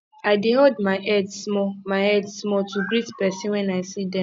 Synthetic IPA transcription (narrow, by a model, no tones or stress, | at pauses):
aɪdeɦɔdmaɪʔɛdsmɔmaɪɛdsmɔtuɡɾitpɛsĩnwɛnaɪsidɛ̃